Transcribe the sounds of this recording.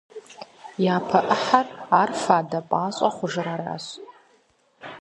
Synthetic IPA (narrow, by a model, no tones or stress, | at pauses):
jaːpʰɐʔəħaraːrfaːdɐpʼaːɕʼɐχʷʊʐɨɾaːɾa̰ːɕ